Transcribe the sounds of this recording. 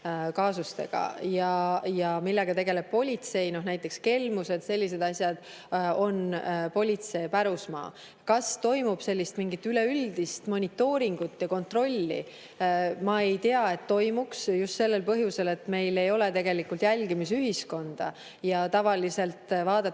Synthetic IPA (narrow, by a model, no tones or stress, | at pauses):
kɑːsust̪e̞̰ɡ̥ɑ̰jɑjɑmilːe̞ɡ̥ɑt̪e̞ɡe̞le̞b̥̚po̞lʲit̪se̞jno̞hnæjt̪ˑːe̞kske̞lmuse̞d̪̥se̞lʲːise̞d̪̥ɑsʲjɑd̪̥ | o̞npo̞lʲit̪se̞ːpæɾusmɑ̰ː | kɑst̪o̞jmub̥se̞lʲːist̪miŋɡit̪ːyleyld̪̥ist̪mo̞nʲit̪ːˑo̞ːɾiŋɡ̥ut̪ːˑjɑko̞nt̪ro̞lʲːḭ | mɑe̞jt̪e̞ɑe̞t̪ːo̞jmuksjust̪se̞lːe̞lpɤɦjuse̞le̞t̪ːˑme̞jle̞jo̞le̞t̪e̞ɡe̞likːˑult̪jælʲɡ̥imis̬yɦisko̞nd̪̥ɑ̰ | jɑt̪ɑvɑlise̞lt̪ˑvɑːd̪̥ɑ